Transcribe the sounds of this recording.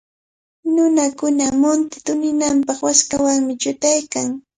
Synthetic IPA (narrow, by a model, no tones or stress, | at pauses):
nʊnakʊnamʊnt̪ɪ̥t̪ʊnɪnampɑχwaskawaŋmɪt͡ʃʊt̪ajkaŋ